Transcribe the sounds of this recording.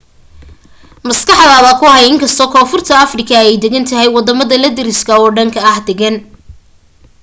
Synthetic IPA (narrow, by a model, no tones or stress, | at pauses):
mɐskɑħd̪aːðɐkʰʊɦɛjɪŋkʰɐst̪ʰɔːkʰɔːfʊrt̪ʰɐɐfrɪkʰɐɛjd̪ɛɣɐnt̪ʰɐɦɛjwɑd̪ɐmɐðɐlɐd̪ɪɾɪskʰɐɔːɖɐŋkʰɐɐhd̪ɛɣɐn